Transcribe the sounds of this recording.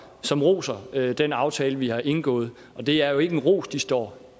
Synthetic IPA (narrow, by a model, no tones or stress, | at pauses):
sɒ̽mʁo̝̰ːsɐd̥enɑ̈ʊt͡sʰɛːləʋihɑ̈ʔe̝nɡ̥ɔ̰̽ːð̞̩ˠ | ʔɒ̽d̥e̝æɐjo̝e̝ɡ̥nʁo̝̰ːsd̥isd̥ɒ̰ː